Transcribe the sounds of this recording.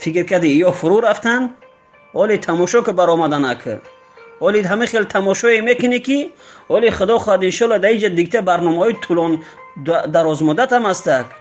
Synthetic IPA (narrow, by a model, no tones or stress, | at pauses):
fikɾkʰad̪iːjɔfuɾuɾaft̪an | hɔlit̪ʰamɔʃɔkəbaɾɔmad̪anakʰə̰ | ɔlid̪ɦamĩχelt̪ʰamɔʃɔemekiniki | ɔliχəd̪ɔχɔhad̪inʃɔlad̪aid͡ʒad̪ik̚t̪ʰabaɾnɔmahɔit̪ʰulɔn | d̪aɾɔzmud̪at̪amhast̪aɡ